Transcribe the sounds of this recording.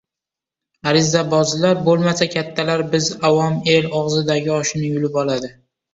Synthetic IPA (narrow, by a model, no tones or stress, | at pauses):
aɾɪzabɒzɪlaɾbolˠmasakʲʰat̪ʰːalaɾbɪzawɒmelɒʁzɪd̪aɡʲɪɒʃɪnɪjʊlɪpɒlˠad̪ɪ